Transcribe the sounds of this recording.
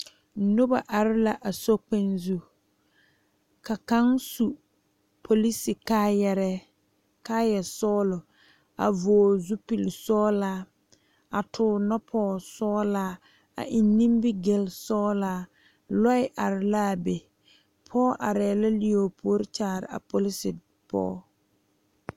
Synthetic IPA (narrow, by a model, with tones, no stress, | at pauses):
nʊ˦ba˨ʔa˨ɾɪ˦la˨ʔa˨so˦k͡pe˦nzu˨ | ka˨ka˦ŋsu˨ | pʰo˨li˦sɪ˨kaː˦jɛ˨ɾɛ˦ | kaː˦jɛ˨sɔː˦lʊ˨ | a̰˨voː˨zu˦pi˨lsɔː˦laː˦ | a˨tʰʊː˨nɔ˦pʰɔː˦sɔː˦laː˦ | a̰˨ʔɪ˨nːĩ˦mbɪ˦ɡe˨lsɔː˦laː˦ | lɔ˦ɪ˦ʔa˨ɾɪ˨laː˦˨be˨ | pʰɔː˦ʔa˨ɾɛː˨la˦li˦oː˨pʰo˦ɾɪ˦t͡ʃaː˨ɾɪ̰˨a̰˨po˨li˦sɪ˨ | pɔ̰ː˦